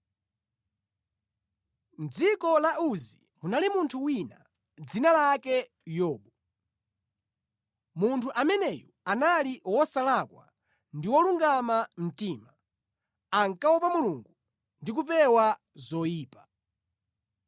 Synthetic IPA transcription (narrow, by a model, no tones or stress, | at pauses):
nd͡zikɔlaʔuzi | munalimuntʰuwina̰ | d͡zinalakɛ | jɔːɓɔ | muntʰuʔamɛnɛjɔanaliwɔsalakwa̰ | ndiwɔluŋɡamam̩tiːma | aŋkawɔpamuluŋɡu | ndik̬upɛwa | zɔjiːpḁ